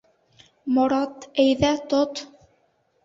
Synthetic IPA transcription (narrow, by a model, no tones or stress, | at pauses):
moɾɑt̪æjðæt̪ot̪